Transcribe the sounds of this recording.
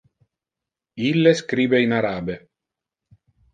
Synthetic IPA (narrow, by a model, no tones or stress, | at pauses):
ilːeskɾiːbeinaɾaːbe